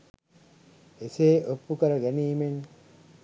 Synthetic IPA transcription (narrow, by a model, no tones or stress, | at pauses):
eseːʔopːukəɾəɡæniːmen